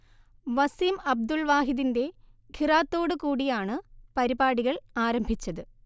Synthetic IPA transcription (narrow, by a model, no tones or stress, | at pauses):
ʋɐsimɐb̚d̪ulʋaːɦiðinde̞kʰiraːt̪ːo̞ːɽɨkuːɽijaːɳɨpɐɾibaːɽiɣɐɭaːɾɐmbʱit͡ɕːɐðɨ